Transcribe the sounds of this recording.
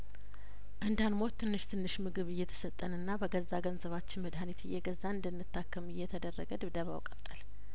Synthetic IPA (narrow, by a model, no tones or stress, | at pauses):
ʔɨnd̪anmot̪t̪ʰːɨnːɨʃt̪ʰɨnːɨʃmɨɡɨβɨjːɛt̪ʰə̥sət̪ʼːənɨnːabəɡəzːaɡənzəβat͡ʃːɪnməd̪hanit̪ʰɨjɛɡəzːaɨnd̪ɨnːɨt̪ʰːakːəmɨjːɛt̪ʰəd̪ərːəɡəd̪ɨβd̪əβa̰wkʼət̪ʼəl